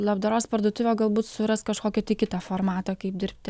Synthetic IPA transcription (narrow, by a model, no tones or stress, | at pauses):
lˠɐbd̪ɐɾoːspɐɾd̪uːt̪ʊʋʲoːɡɐlˠbuːt̪sʊɾɐst̪kɐʃkoːkʲoːt̪ʲɐɪkʲɪt̪ɐfoːɾmɑːt̪oːkɐɪp̚d̪ʲɪɾʲpʲt̪ʲɪ